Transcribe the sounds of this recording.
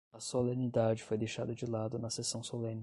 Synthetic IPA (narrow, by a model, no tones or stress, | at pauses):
ɐsolẽnid̪ad͡ʒɪfojd̪ejʃad̪ɐd͡ʒɪlad̪ʊnɐsesɐ̃w̃solẽnɪ